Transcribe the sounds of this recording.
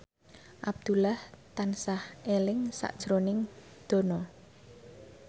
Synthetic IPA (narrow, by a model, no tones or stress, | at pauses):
ʔab̚d̪̥ṳlaht̪ansahelɪŋsa̰ʔd̥ʒ̥ɾonɪŋ | d̪̥o̤nɔ